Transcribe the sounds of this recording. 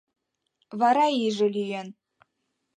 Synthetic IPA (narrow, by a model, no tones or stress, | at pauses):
vɑɾɑiʒɘ̆lʲyjen